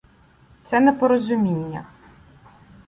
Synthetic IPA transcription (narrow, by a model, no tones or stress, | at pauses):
t̪sɛnɛpɔɾɔzʲʊmʲinʲːɐ̰